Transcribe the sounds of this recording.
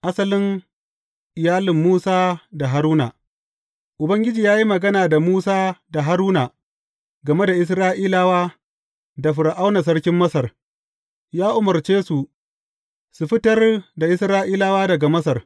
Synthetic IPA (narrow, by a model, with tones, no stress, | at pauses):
ʔa˦sɐ˦lɪ˦ŋ | ʔɪ˨jaː˦lɪ˨mːuː˦saː˦da˨ɦa˨ɾuː˦na̰˨ | ʔʊ˨bɐ˦ŋɡʲɪ˦d͡ʒiː˨jaː˦ji˦mɐ˨ɡɐ˦naː˨da˨muː˦saː˦da˨ɦa˦ɾuː˦na˨ | ɡɐ˨me˦da˨ʔɪ˨s̬ɾaː˦ʔiː˦la˦waː˦ | da˨ɸʊ˨ɾʔa˦wna˨s̬ɐ˦ɽkʲɪ˦mːɐ˦sɐ˨r | jaː˦ʔʊ˨mɐ˨rt͡ʃeː˦su˨ | su˨ɸɪ˦tɐ˦rda˨ʔɪ˦sɾaː˦ʔiː˦laː˦waː˦dɐ˨ɡa˨mɐ˦sɐ˨r